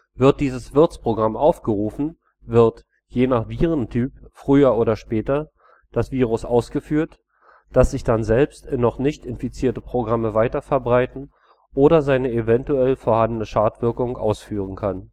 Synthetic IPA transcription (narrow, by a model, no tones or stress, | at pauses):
vɪɐt̚d̥iːzəsv̥ɪɐt͡spʁ̥oɡʁamʔaʊfɡ̥əʁuːfn̩ | vɪɐt | jeːnaχv̥iːʁ̞əntʰyːpfʁ̥yːɐoːɾɐʃpɛːtɐ | d̥asv̥iːʁ̞ʊsʔaʊsɡ̥əfyːɐt | d̥asz̥ɪçd̥anzɛlpstɪnːɔχnɪçtɪnfit͡siːɐtəpʁ̥oɡʁaməvaɪtɐfɛɐbʁaɪtn̩ | ʔoːɾɐzaɪnəevɛntuɛlfoːɐhandənəʃaːtv̥ɪɐkʊŋʔa̰ʊsfyːʁən̩kʰan